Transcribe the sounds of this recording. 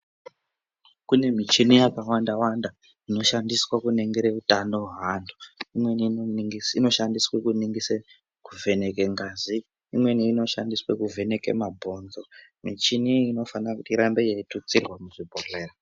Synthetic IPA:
kune̞mit͡ʃinijakawandawanda | ino̞ʃandiswakune̞ŋɡeɾeutano̞ɦanduimwe̞niŋino̞ʃandiswekuniŋɡise | kuve̞nekeŋɡaːzi | imwe̞niːno̞ʃa̰ndiswekuve̞ne̞ke̞̰mabʱo̞nzomit͡ʃiniino̞fanrakutiɾambe̞jeitut͡sirwamuʐibʱore̞ːra

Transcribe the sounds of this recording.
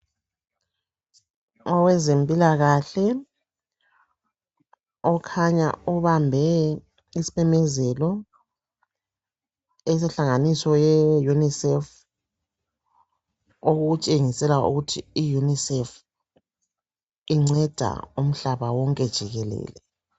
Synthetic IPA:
ɔwɛzempʼilaɣaɬɛ | ɔkʰaɲa̰uβambʱɛ | isi̥βɛmɛzɛlɔ | ɛs̬ɛɬaŋanisɔjɛjunisɛf | oɣut͡ʃʼeŋisɛlaṵɣutʰiːjunisɛf | iŋ͡ǀɛd̥ʱa̰um̩ɬaβawɔŋkʼɛd̥ʒ̥ʱiɣɛlɛ̰ːlɛ

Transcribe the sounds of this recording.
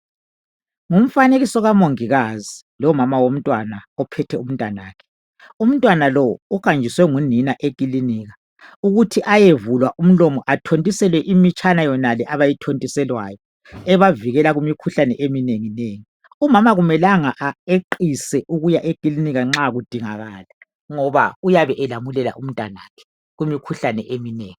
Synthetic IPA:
ŋum̩faneɣisɔɣamoŋiɣazi | lɔmamawom̩tʼwanaɔpʰɛtʰɛum̩ntʼana̰ːkʰɛ̥ | um̩tʼwanalɔukʼand͡ʒʱiswɛŋuninaʔekʼiliniːɣa | uɣutʰiʔajevulwaʔum̩lomɔʔatʰontʼisɛlwɛʔimit͡ʃʼanajɔnalɛʔaβajitʰontʼisɛlwa̰ːjɔ | ɛβaviɣɛlaɣumikʰuɬanɛʔemineŋineːŋi | umamaɣumɛlaŋaʔaeǃisɛʔuɣujaʔekʼiliniɣaŋ͡ǁaɣud̥ʱiŋa̰ɣaːlɛ | ŋɔβa̰ujaβɛʔɛlamulɛla̰ʔum̩tʼwa̰na̰ːkʰɛ̥ | ɣumikʰuɬanɛʔemineːŋi

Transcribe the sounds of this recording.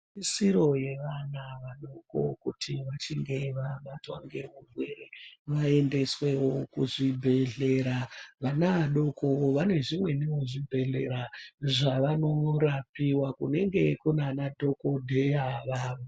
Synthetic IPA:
isiɾo̞je̞ʋanaʋaɗoko̞̰kutʰiʋat͡ʃiŋɡe̞ʋamatwa̰ŋɡe̞urwereʋae̞nde̞swe̞wokuʐibʱe̞ɮe̞ɾaʋanaʋaɗo̞kʰo̞ʋane̞ʐimwe̞newoʐibʱe̞ɮe̞ɾaʐaʋano̞rapiwakune̞ŋɡe̞kunanadʱo̞ko̞dʱe̞jaʋaːʋo

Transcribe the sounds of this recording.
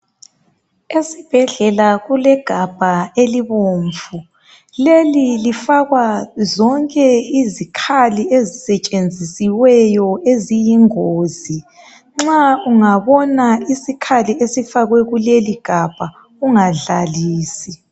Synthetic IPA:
esib̥ʱɛɮɛlaɣulɛɡ̥ʱab̥ʱaeliβoːɱfvu | lelilifaɣwazɔŋkʼɛizikʰaliezisɛt͡ʃʼend͡zʱisiwɛjɔezijiŋoːzi | ŋ͡ǁauŋaβɔnaisikʰaliesifaɣwɛɣuleliɡ̥ʱab̥ʱa | uŋaɮaliːsi

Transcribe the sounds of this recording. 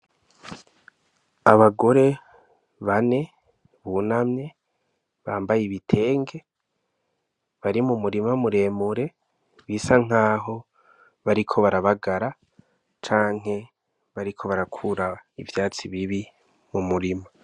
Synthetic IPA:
aβaɡo̞ɾe̞ | βane̞ | βuːnamɲe̞ | βaːmbajeβitʰe̞ːŋɡe̞ | βaɾimumuɾimamuɾe̞ːmuɾe̞ | βisaŋ̥aːɦo̞ | βaɾikʰo̞βaɾaβaɡaɾa | t͡ʃaːŋ̥ɦe̞ | βaɾikʰo̞βaɾakʰuɾaivjaːt͡siβiβi | mumuɾima

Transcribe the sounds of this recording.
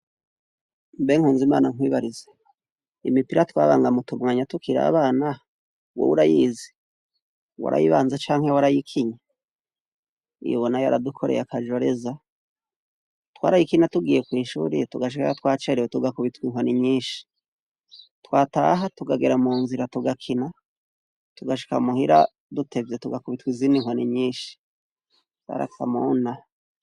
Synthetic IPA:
mbe̞ŋhuːnzimaːnaŋwiːβaɾize̥ | ḭmipiɾatwa̰ːβaːŋɡamutumŋaːɲatukʰiɾa̰ːβaːna | wo̰βuɾajiːzi | wa̰ɾʔa̰jḭβa̰ːnzat͡ʃaːŋhewaɾajikʰiɲa | ḭjoβonajaɾadukʰo̞ɾe̞̰jakʰaʒo̞ɾe̞za | twa̰ːɾajikiɲatuɡiːjekwiːʃṵːɾḭtuɡaʃ̬ikaatwaːt͡ʃeɾewetuɡakuβitwiŋwaniɲiːnʃi̥ | twaːtaɦatuɡaɡeɾamuːnziɾatuɡakʰina | tuɡaʃi̥ka̰muhiɾa̰ | dutʰe̞vjetuɡakuβitwiziːniŋwoniɲiːʃi̥ | ja̰ɾa̰ka̰muna

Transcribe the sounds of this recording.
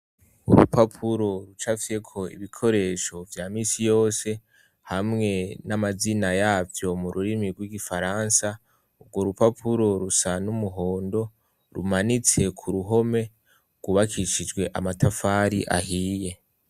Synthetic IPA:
uɾṵpapʰuɾo̞ɾut͡ʃafje̞kʰo̞ḭβikʰo̞ɾe̞ʃo̞vjaːmiːsijo̞ːse̞ | hamŋe̞namazinajaːvjo̞muɾuɾimiɾɡwiɡifaɾansa | ubɡwo̞ɾupapʰuɾo̞ɾusanumuɦo̞ːndo̞ | ɾumanit͡se̞kʰuɾuɦo̞me̞ | ɡ̥wuβakʰiʃid͡ʒɡwe̞ʔa̰matʰafaːɾiʔa̰hiːje̞

